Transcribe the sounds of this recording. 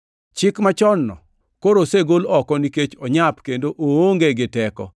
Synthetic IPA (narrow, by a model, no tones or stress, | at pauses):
t͡ʃɪkmat͡ʃɔnːɔ̰ | koɾoseɡolɔkɔniket͡ʃɔɲapkendoʔooŋɡeɡɪtɛkɔ̰